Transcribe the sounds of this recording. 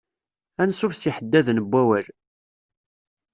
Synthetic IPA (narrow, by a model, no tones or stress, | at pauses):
ænsːufsiħəd̪ːæðnəbʷːæwæl